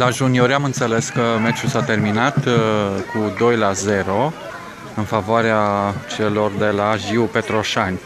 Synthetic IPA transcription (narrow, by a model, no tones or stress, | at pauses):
laʒunio̞ɾamɨnt̪sele̞skəmet͡ʃusat̪e̞rminat̪kud̪o̞jlaze̞ɾo̞ | ɨnfavoaɾeat͡ʃe̞lo̞rd̪e̞laʒiupe̞t̪ɾo̞ʃanʲ